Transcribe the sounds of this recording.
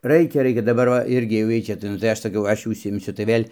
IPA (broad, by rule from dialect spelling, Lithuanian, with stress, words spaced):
ˈrɐɪkʲɛ ˈrɐɪkʲɛ dɐˈbɐr ʋɐ ˈɪrʲɡʲɪ jɛʊ ˈjiɛj t͡ʃʲɛ tɐɪ nʊ tɐɪ ˈɐʃ sɐˈkɐʊ ˈɐʃ jɛʊ ʊʃʲsʲɪɪmʲˈsʲʊ tɐɪ ˈʋʲeːlʲ